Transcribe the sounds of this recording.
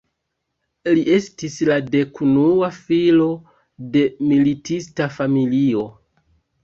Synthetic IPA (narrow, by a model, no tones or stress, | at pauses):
liʔe̞stislade̞kunuafilo̞ | de̞militʰistafamilio̞